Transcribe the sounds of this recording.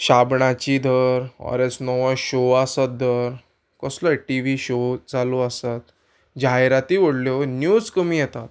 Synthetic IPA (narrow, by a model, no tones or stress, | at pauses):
ɕabɳãt͡ɕiːd̪ʱəɾɔ̰ɾesnɔʋaɕoasat̪̚d̪ʱəɾ | kəsləʈiʋiɕod͡zʱaloasat̪ | d͡ʑajɾat̪iːʋəɽljonjud͡zkəmiːjɛt̪at̪̚